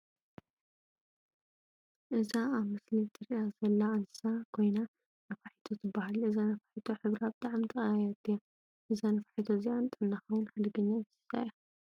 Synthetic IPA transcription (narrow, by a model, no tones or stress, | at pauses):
ʔɨzaaβmɨslit̪ʰɨɾiazɐlːaanɨsakʰo̞jna | nɐfaħi̥t̪ʰot̪ʰɨbːahalɨzanɐfḁħit̪ʰo̞ħɨβɾaβd̪aʕamt̪ʰʼɨaajat̪ʰːija | ʔɨzanɐfaħit̪ʰoziant̪ʼɐnːaxɐwʊnħad̪ɐɡɐɲːaɨzɨ̥sa̰ji